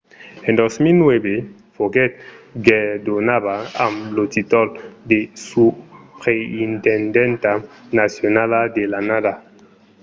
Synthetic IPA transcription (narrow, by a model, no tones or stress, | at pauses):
ẽnd̪osmilnwɛbe | fokɛt̪̚ɡɛd̪onaβaa̰mlot̪it̪ɔld̪esupʁeint̪ɛnd̪ɛnt̪anasjonalad̪elanada